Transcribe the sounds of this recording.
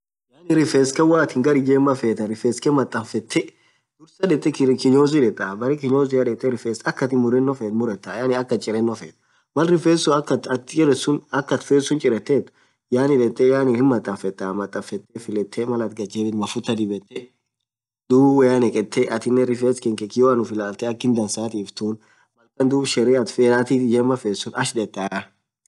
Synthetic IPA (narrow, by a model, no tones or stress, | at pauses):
jaːnɪɾɪfeːskɛwaːt̪ɪŋɡɐɾɪd͡ʒeːmːɐfeːt̪ɐɾɪfeːskɛmɐt̪ʼːɐnfɛt̪ʰːɛ | d̪ʊɾsɐᶑɛt̪ʼːɛkɪɲoːzɪᶑɛt̪ʼːɐbɐɾɛkɪɲoːzɪjɐᶑɛt̪ʼːɛɾɪfeːsɐkːɐt̪ɪmʊɾɛnːɔfet̪mʊɾɛt̪ːajanɪɐkːɐt͡ʃʼɪɾɛnːɔfḛːt̪ | mɐlɾɪfeːsʊɐkːɐɐt̪t͡ʃʼɛɾɛsʊnɐkːɐt̪feːsʊnt͡ʃʼɪɾɛt̪ːeːt̪ | jaːnɪᶑɛt̪ːɛjaːnɪhɪmːɐt̪ʼːɐnfɛt̪ːaːmɐt̪ʼːɐfɛt̪ːɛfɪlɛt̪ʰːɛmɐlɐt̪ɡɐd͡ʒed̪ɪnmɐfʊt̪ːɐd̪ɪbɛt̪ːɛ | d̪uːbwɛɐnɛkʼɛt̪ʰːɛʔɐt̪ɪnːɛɾɪfeːskɛŋkɛkɪjoɐnʊfɪlaːlt̪ɛɐkːɪnd̪ɐnsaːt̪iːft̪uːn | mɐlkɐnd̪uːbʃɛɾeɐt̪feɾaːt̪ɪd͡ʒɛmɐfeːsʊnɐʃdɛt̪ːaːɐ